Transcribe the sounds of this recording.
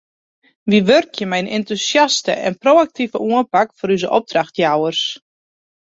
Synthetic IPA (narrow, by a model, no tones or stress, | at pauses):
ʋiʋørkjəmɛjnḛntusjastə̰ʔɛ̰nproːak̚tivəʔuənpakfɔɾyzəʔɔp̚draxtjawərs